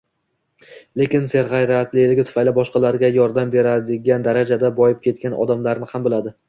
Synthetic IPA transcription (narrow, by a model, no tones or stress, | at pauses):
le̞kʲɪnse̞ɾʁajɾat̪lɪjlɪɡʲɪt̪ʰʊfajlɪbɒʃqɑlaɾɡʲajɒɾd̪ambe̞ɾad̪ɪɡʲand̪aɾad͡ʒad̪abɒjɪp̚kʲʰe̞t̪̚kʲanɒ̰d̪amlaɾnɪhambɪlad̪ɪ